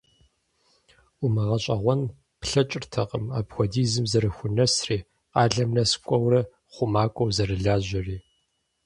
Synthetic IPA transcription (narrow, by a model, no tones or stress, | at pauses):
ʊmɨʁɐɕʼɐʁʷɔn | pɬɐt͡ʃʼɪrtʰɐqʼəma̰ːbxʷɔdiːzɨmzɐɾɨxʷʊnɐsriː | qɑːɮɐmnɐskʷʼɔwrɐ | χʷʊmaːkʷʼɔwzɐrɨɮaːʑʷɐriː